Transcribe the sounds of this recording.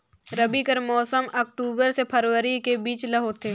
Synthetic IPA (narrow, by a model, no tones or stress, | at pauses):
ɾəbikəɾmɔːsəmɔːk̚ʈuːbəɾsepʰɐɾwəɾikebiːt͡ʃlɐɦot̪e